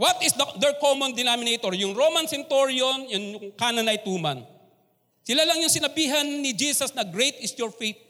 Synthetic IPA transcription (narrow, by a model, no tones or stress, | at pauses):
wɐt̪ɪsd̪ɐd̪ɛɹkomond̪ɪnamɪnejt̪oɹjʊŋɾoːmɐnsɪnt̪oɹjonjʊnjʊŋkanɐnɐjt̪uːmɐn | sɪlalɐŋjʊŋsɪnɐbiːɦɐnːɪd͡ʒisɐsnɐɡɾejt̪ɪsjɔɹfejt̪̚